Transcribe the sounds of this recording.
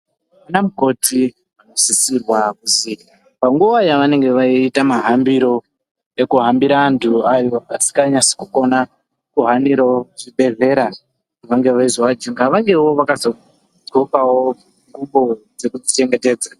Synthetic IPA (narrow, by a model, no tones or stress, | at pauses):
munamuko̞tʰi | ano̞sisirwakuzika | paŋɡuʋajaʋane̞ŋɡe̞ʋaiːtamaɦambiɾo̞ | ekuɦambiɾaːntʰuajo̞asi̥kaɲasi̥kuko̞na | kuɦaniɾaoʐiɓe̞ɮe̞ɾa | ʋaŋɡe̞ʋaizoʋad͡ʒuŋɡaʋaŋɡe̞woʋakazo̞ | d͡zokawo | ŋɡuɓo̞d͡ze̞kud͡zit͡ʃe̞ŋɡe̞te̞ːd͡za